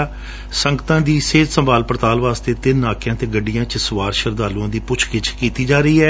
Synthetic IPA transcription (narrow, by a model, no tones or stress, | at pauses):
səŋɡt̪ãːd̪iːseːd̪səmbʱaːlpəɾt̪aːlʋaːst̪eːt̪ɪnːaːkjãːt̪eːɡəɖijãːt͡ʃəsʊʋaːɾʃəɾd̪aːlũãːd̪iːpʊt͡ʃʰkɪt͡ʃʰkiːt̪iːd͡ʒaːɾəiːɦɛː